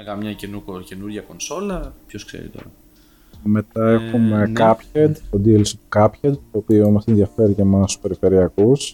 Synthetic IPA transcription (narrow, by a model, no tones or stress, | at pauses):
ɣɐmɲɐcenuce̞nuɾʝɐko̞nso̞lɐpçosksḛɾḭt̪o̞̰ɾɐ | me̞t̪ɐe̞xumekɐpçed̪t̪od̪ilisot̪ukɐpçed̪t̪o̞ːpioimɐsenðjɐfe̞ɾiʝemɐst̪uspe̞ɾife̞ɾiɐkus